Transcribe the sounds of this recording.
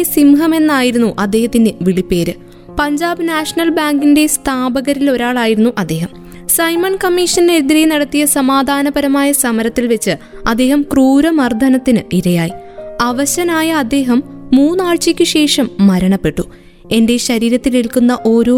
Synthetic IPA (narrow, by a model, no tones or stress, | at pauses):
esimɦɐme̞nːaːjiɾunːuʔɐd̪ːe̞ːɦɐt̪ːineʋiɭipːe̞ːɾɨ | pɐɲd͡ʑaːbɨnaːʂɐnɐlbaːŋɡinde̞st̪ʰaːbɐɣɐɾilo̞ɾaːɭaːjiɾunːuʔɐd̪ːe̞ːɦɐm | sɐjmɐnkɐmːiʂɐnne̞ɾid̪ɾijnɐɽɐt̪ːijɐsɐmaːd̪ʱaːnɐbɐɾɐmaːjɐsɐmɐɾɐt̪ːilʋe̞t͡ɕːɨ | ɐd̪ːe̞ːɦɐmkruːɾɐmɐrd̪ʱɐnɐt̪ːinɨiɾɐjaːji | ɐʋɐɕɐnaːjɐːd̪ːe̞ːɦɐmːuːnːaːɻt͡ɕikʲːɨɕe̞ːʂɐmːɐɾɐɳɐpːe̞ʈːu | e̞nde̞ɕɐɾiːɾɐt̪ːiliɭkunːɐʔo̞ːɾoː